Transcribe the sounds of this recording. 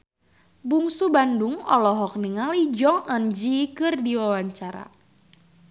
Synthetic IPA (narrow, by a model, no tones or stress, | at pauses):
buŋsubanduŋɔ̰lɔɦɔk̚niŋalid͡ʒɔŋand͡ʒikɨrdiwawaɲt͡ʃaɾa̰